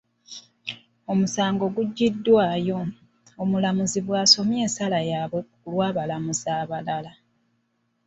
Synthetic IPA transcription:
o̞musaːŋɡo̞ɡuɟːidːwaːjo̞ | omulamuziβwaːso̞mje̞ːnsalajaːβwe | lwaːβalamuzaːβalala

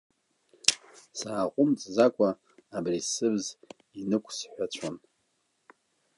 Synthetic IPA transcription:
saːqʷʼʊmt͡sʼzakʷʼaː | brisɨbz | inɨkʷʰʼsħʷᶣat͡ɕʷʰan

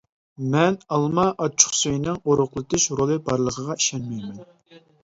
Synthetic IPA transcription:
mɛnɑlˠmɑʔɑt͡ʃʰʊ̥χsøjnɨŋoɾʊχlˠɨt̪ɪʃɾolˠɨbɑɾlˠəqʰəʁɑi̥ʃɛnmɛjmɛn

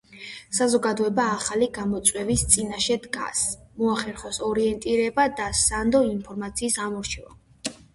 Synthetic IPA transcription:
sazɔɡad̪ɔɛbaːχaliɡamɔt̪sʼwɛvist̪sʼinaʃɛd̪ɡa̰smɔaχɛɾχɔsɔɾiɛnt̪ʼiɾɛbad̪asand̪ɔinpʰɔɾmat̪sʰiːsamɔɾt͡ʃʰɛva̰

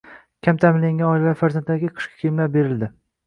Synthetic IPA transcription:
kʲʰamt̪ʰamɪnlaŋɡʲanɒɪlvafaɾzant̪d̪aɡʲɪqʰɨ̥ʃkʲḁkʰʲeɪmlaɾbe̞ɾɪld̪ɪ

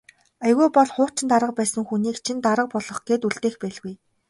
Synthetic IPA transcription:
æjɣuːpɔɮχʊːt͡ɕɪ̆nt̪aɾə̆q̚pæːsə̆ŋxuniːkt͡ɕʰint̪aɾə̆q̚pɔɮɞ̆χɡ̥eːt̪uɮt̪eːxpæːɮɣuj

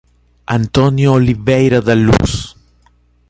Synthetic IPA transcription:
ant̪onjooliβejɾaðalṵs

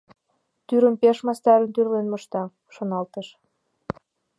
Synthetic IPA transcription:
t̪yɾəmpeʃmɑst̪ɑɾənt̪yrlenməʃt̪ɑ | ʃonɑlt̪əʃ

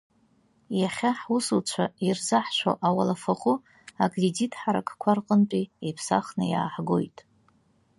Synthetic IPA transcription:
jaχʲaħusut͡ʃʷʰairzaħʃʷo̰ʔawalafaχʷʊ | akʼreditʰʼħaɾakʰʼkʷʰarqʼəntʼiepʰsa̰χnɨja̰ːħɡo̰jtʼ

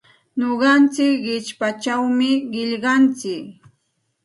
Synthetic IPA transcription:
ɲoɢɑnt͡sɪkɢɪt͡ʃpat͡ʃawmɪɢɪʎɢɑnt͡sɪk

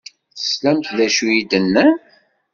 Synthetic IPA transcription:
θə̥slæmt̪ðæʃujid̪ənːən

